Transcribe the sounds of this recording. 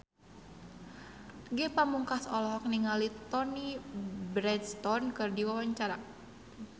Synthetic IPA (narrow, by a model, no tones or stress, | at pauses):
ɡɛpamuŋkasɔlɔɦɔk̚niŋalit̪ɔnibɾɛdst̪ɔnkɨrdiwawaɲt͡ʃaɾa